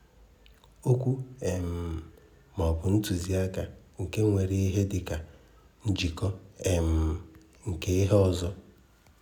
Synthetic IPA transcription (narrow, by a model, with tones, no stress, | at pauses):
o˦kʷu˦e˨m̩˨ | mɔ˨bʊ˨n̩˦tu˨zi˦a˦ka˨ | ŋ̩˨ke˦ŋʷe˨ɾe˦i˦ɦe˦dɪ˨ka˨ | n̩˦d͡ʒi˨kɔ˦e˨m̩˨ | ŋ̩˨ke˦i˦ɦe˦ɔ˦˨zɔ˦